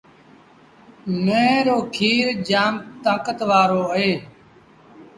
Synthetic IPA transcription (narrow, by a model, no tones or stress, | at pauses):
mẽːɾoːkʰiːɾd͡ʒaːmt̪ãːkət̪ʋaːɾoːəɦeː